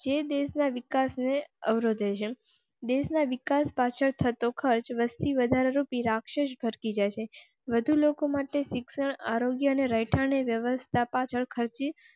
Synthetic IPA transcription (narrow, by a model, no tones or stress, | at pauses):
d͡ʒed̪esnaʋɪkasneəʋɾod̪ʱet͡ʃʰe | d̪esnaʋɪkaspat͡ʃʰəɭt̪ʰət̪okʰəɾt͡ʃʋəst̪ʰiʋəd̪ʱaɾaɾupiɾakʃəʃbʱəɾkid͡ʒajt͡ʃʰe | ʋəd̪ʱulokomaʈeʃɪksəɳaɾoɡjəəneɾəjʈʰaneʋjəʋəst̪ʰapat͡ʃʰəɭkʰəɾt͡ʃi